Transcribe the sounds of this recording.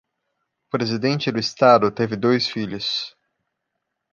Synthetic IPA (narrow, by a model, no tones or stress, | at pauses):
ʊpɾezid̪ẽnt͡ʃɪd̪ʊist̪ad̪ʊt̪evɪd̪ojsfiʎʊs